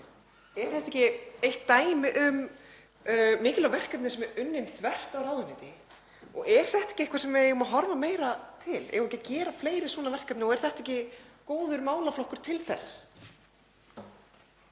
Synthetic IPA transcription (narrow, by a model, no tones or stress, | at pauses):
ɛɾ̥θɛht̪ɛhcɪejht̪ːaːjmɪʔʏm | mɪːcɪlawvɛr̥kœpnɪsɛmɛɾʏnːɪnθvɛr̥t̪awɾaːwðʏnɪːt̪ɪ | ɔ̰ɣɛɾ̥θɛht̪aɛ̥cɪehkvasɛmvɛejʏmaɦɔɾvameːjɾat̪ʰɪlɛ̰ɾɛhcacɛːɾafleːjɾɪ̥svɔːnavɛr̥kœp̪nɪɔɛɾ̥θɛht̪aɛhcɪkoːwðʏɾmaːwlaflohkʏɾ̥t̪ʰɪlθɛ̰sː